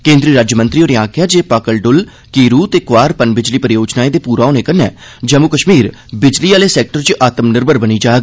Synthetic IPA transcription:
kẽːnd̪ɾiːɾaːd͡ʒjəmənt̪ɾiːoːneaːkʰjaːd͡ʒeːpaːkəlɖʊl | kiːɾuːt̪eːkʊʋaːɾpənbɪd͡ʒliːpəɾɪjoːd͡ʒnaːeːd̪eːpuːɾaːoːneːkənɛ̰ː | d͡ʒəmʊkəʃmiːɾ | bɪd͡ʒliːaːleːsɛːk̚ʈəɾt͡ʃʔaːt̪əmnəɾbəɾbəniːd͡ʒaːɡ

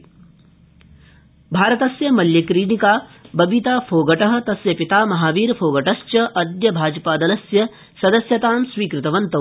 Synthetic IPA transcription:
bʱaːɾɐt̪ɐsjɐmɐljɐkɾiːɽikaːbɐbit̪aːpʰoːɡɐʈɐɦɐ̆t̪ɐsjɐpit̪aːmɐɦaːʋiːɾpʰoːɡɐʈɐst͡ʃɐʔɐd̪jɐbʱaːd͡ʒɐpaːd̪ɐlɐsjɐ | sɐd̪ɐsjɐt̪aːmsʋiːkɾɪt̪ɐʋɐnt̪ɐ

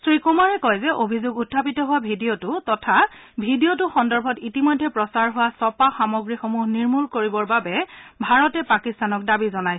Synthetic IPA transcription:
sɹikumaɹɛkɔjzɛʔobʱizʊɡutʰːapitɔɦʊwabʱidijotʊtɔtʰa | bʱidiot̬ʊxɔndɔɹbʱɔtitimɔjdʱːɛpɹɔsaɹɦʊwasɔpaxamɔɡɹixomuɦniɹmuɹkoɹibɔɹbabɛbʱaɹɔtɛpakistanɔk̚dabizɔnaj

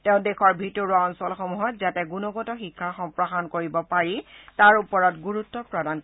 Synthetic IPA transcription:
teʊ̃dexɔɹbʱitoɹuɔnsɔlxɔmuɦɔtzatɛɡunɔɡɔtɔxikʰːaxɔmpɹɔɦankoɹibɔpaɹitaɹupɔɹɔtɡuɹutːɔpɹɔdan

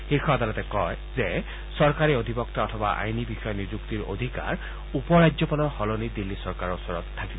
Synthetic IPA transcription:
xiɹxʰɔad̪alɔt̪ɛkɔj | zɛ | sɔɹkaɹiod̪ʱibɔk̚t̪aɔt̪ʰɔba̰ʔa̰jnibixɔjɔnizukt̪iɹo̰d̪ʱika̰ɹ | upɔɹad͡ʒzɔpalɔɹhɔlonid̪ilːisɔɹkaɹɔusɔɹɔt̪ʰːakibɔ

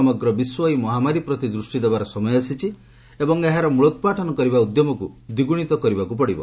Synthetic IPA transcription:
ɔmɔɡɾɔbiswɔimɔɦamaɾipɾɔt̪id̪ɾusʈid̪ebaɾɔsɔmɔjɔasit͡ʃʰi | ebɔŋeɦaɾɔmuɭut̪paʈʰɔnɔkɔɾibaud̪jɔmɔkud̪iɡuɽ̃it̪ɔkɔɾibakupɔɽibɔ̰

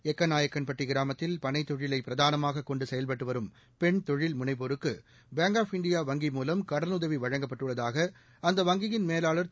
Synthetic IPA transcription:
ɛkːɐnaːjɐkːɐnpɐʈːiɡɪɾaːmɐt̪ːɪlpɐɳɐɪt̪ːɔɻɪlɐɪpːɪɾɐðaːnɐmaːɣɐkːɔɳɖɯsɛjɐlpɐʈːɯʋɐɾɯm | pɛɳt̪ɔɻɪlmʊɳɐɪp̬oɾɯkːɯ | beːŋɡaːfɪɳɖɪjaːʋɐŋɡimuːlɐmkɐɽɐnʊðɐʋiʋɐɻɐŋɡɐpːɐʈːɯɭːɐðaːɣɐ | ɐnd̪ɐʋɐŋɡɪjɪnmeːlaːɭɐɾ

